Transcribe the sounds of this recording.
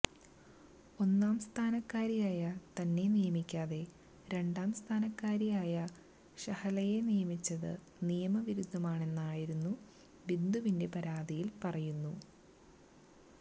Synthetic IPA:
o̞nːaːmst̪ʰaːnɐkːaːɾijaːjɐt̪ɐnːe̞nijɐmikʲːaːðe̞ | ɾe̞ɳɖaːmst̪ʰaːnɐkːaːɾijaːjɐ | ɕɐhɐlɐjenijɐmit͡ɕːɐðɨ̰ | nijɐmɐʋiɾud̪ʱːɐmaːɳe̞nːaːjiɾunːu | ʋind̪uʋinde̞pɐɾaːd̪ijilpɐrɐjunːu

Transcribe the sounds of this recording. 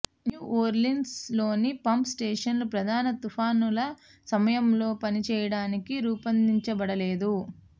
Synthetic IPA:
njuːʔoːɾlinslo̞ːnipɐmpsʈeːʂɐnlupɾɐd̪ʱaːnɐt̪upʰaːnulɐ | sɐmɐjɐmlo̞ːpɐnit͡ʃɛːjɐɽaːnikiɾuːpɐnd̪iɲt͡ʃɐbɐɽɐle̞ːd̪u

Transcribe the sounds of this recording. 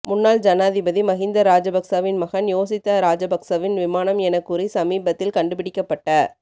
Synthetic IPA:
mʊnːaːld͡ʒɐnaːðɪbɐðimɐɣɪnd̪ɐɾaːd͡ʒɐbɐksaʋɪnmɐɣɐnjoːsɪt̪ːɐɾaːd͡ʒɐbɐksɐʋɪnʋɪmaːnɐmɛnɐkːɯrisɐmiːbɐt̪ːɪlkɐɳɖɯpɪɽɪkːɐpːɐʈːɐ

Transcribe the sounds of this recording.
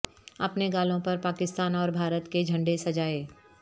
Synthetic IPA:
ɐpneɡaːlõpɐɾpaːkɪst̪aːnɔːɾbʱaːɾət̪ked͡ʒʱɐ̃ɳɖesɐd͡ʒaːeː

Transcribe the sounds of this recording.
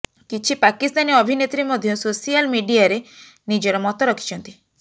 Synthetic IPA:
kit͡ʃʰipakist̪aniɔbʱinet̪ɾimɔd̪ʱjɔsosialmiɖiaɾe | nid͡ʒɔɾɔmɔt̪ɔɾɔkʰi̥t͡ʃʰɔnt̪i

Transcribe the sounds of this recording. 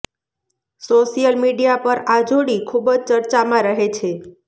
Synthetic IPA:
soʃijəlmiɖijapəɾad͡ʒʱoɽikʰubəd͡ʒt͡ʃəɾt͡ʃamãɾəɦet͡ʃʰe

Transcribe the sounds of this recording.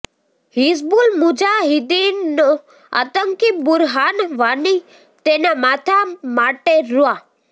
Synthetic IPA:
ɦisbulmʊd͡ʒaɦɪd̪inːo | a̰t̪əŋkibʊɾɦaːnʋani | t̪enamaːt̪ʰamaʈeɾua

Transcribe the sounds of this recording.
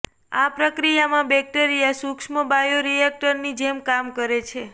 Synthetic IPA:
apɾəkɾijamãbɛk̚ʈeɾijasukʃməbajoɾijɛk̚ʈəɾnid͡ʒemkamkəɾet͡ʃʰe

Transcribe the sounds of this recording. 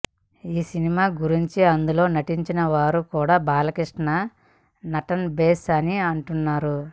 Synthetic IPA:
iːsinimaːɡuɾiɲt͡ʃiɐnd̪ulo̞ːnɐʈiɲt͡ʃinɐʋaːɾukuːɽaːbaːlɐkiʂʈɐɳɐ | nɐʈɐnbeːsɐniɐɳʈunːaːɾu

